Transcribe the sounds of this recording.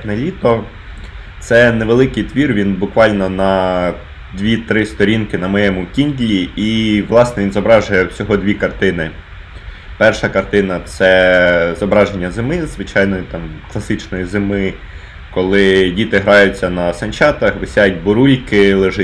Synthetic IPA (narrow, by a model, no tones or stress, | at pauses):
nɛlʲit̪ɔ | t̪sɛneʋelˠɪkɪjt̪ʋʲirʋʲinbʊkʋɑlʲnɔnɐ | d̪ʋʲit̪ɾɪst̪ɔɾʲinkɪnɐmɔjɛmʊkʲinʲd̪ʲlʲiiʋlˠɑsnɛʋʲinzɔbɾɑʒʊjɛwsʲɔɦɔd̪ʲʋʲikɐrt̪ɪnɪ | pɛrʃɐkɐrt̪ɪnɐt̪sɛzɔbɾɑʒenʲːɐzemɪzʋɪt͡ʃɑjnɔjit̪ɑmklˠɐsɪt͡ʃnɔjizemɪ | kɔlˠɪdʲit̪ɪɦɾɑjʊt͡sʲːɐnɐsɐnʲt͡ʃɑt̪ɐxʋɪsʲajtʲbʊɾulʲkɪlˠeʒɪ